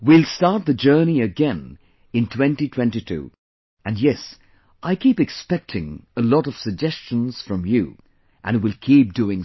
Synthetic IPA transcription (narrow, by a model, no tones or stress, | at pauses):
wilˠstɑɹt̪̚ðɨd͡ʒɜ˞niɨɡɛ̃n | ɨ̃ntʰw̥ɛ̃ntitʰw̥ɛ̃ntitʰʉ̰ | ɨ̃njɛs | ʔaɪkʰipɨkspɛk̚tʰɪ̃ŋəlɔɾʌv̥sɨɡ̚d͡ʒɛst͡ʃɨ̃nz̥fɹʌ̃mjṵ | ʔɨ̃nwɪlˠkʰip̚duɪ̃ŋ